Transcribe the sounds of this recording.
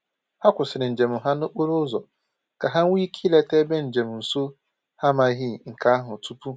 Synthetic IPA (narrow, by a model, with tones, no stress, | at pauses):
ha˦kʷʊ˨sɪ˨ɾɪ˨n̩˨d͡ʒe˨mʊ˨ɦa˦nʊ˦k͡pʊ˦ɾʊ˦zɔ˨ | ka˨ɦa˦ŋ̩˦ŋʷi˦kʰi˦le˦te˦be˦n̩˨d͡ʒe˨mʊ˨n̩˨su˦ | ha˦ma˨ɣi˦˨ŋ̩˨ka˦a˦ɦʊ˨tu˦pu˦